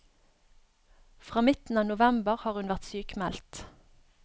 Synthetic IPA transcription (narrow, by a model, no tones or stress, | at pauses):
fʁɑːmɪt̪n̩ɑːnʊʋɛmbəʁhɑːʁʉnʋæʁt̪syːkmɛlt̪